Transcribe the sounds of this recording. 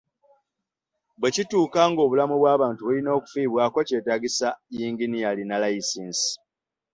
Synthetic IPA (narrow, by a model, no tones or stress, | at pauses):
bwe̞cituːkaːŋɡo̞βulamuβwaːβaːntuβulino̞ːku̥fiːβwaːkoce̞ːtaɡisajiːŋɡinijalinalajisiːnsi̥